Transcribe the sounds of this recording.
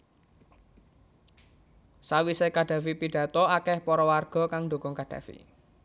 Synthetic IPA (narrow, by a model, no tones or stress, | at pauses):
sawisekaɖ̥ä̤fipiɖ̥ä̤t̪ɔakɛhpɔɾɔwarɡ̥ɔ̤kaŋɖo̤kɔŋkad̥ä̤̰fḭ